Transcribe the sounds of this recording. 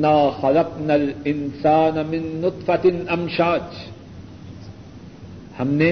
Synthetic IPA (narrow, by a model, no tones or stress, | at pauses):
naːxɐlɑqnalɪnsaːnamɪnːʊt̪ˤfɐt̪nɐmʃaːd͡ʒ | hɐmne